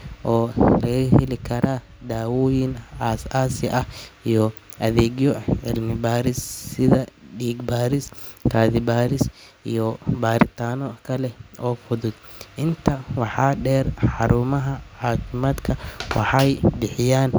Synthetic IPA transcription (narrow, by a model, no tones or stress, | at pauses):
ʔɔːlɐɣɐhɛlɪkʰɐɾʔaː | d̪aːwɔːjɪnaːsaːsɪʔɐhijɔ | ʔɐðɛːɡjɔʕɪ̰lmɪbaːɾɪssɪðɐɖiːɡbaːɾɪskʰaːðɪbaːɾɪs | ijɔbaːɾɪt̪ʰaːnɔkʰɐlɛɔːfʊðʊd̪ | ʔɪnt̪ʰɐwɑħɑːɖɛːrħɑɾuːmɐɦɐʕɑːkʰɪmaːd̪kʰɐwɑ̰ħɑjbɪħɪjaːn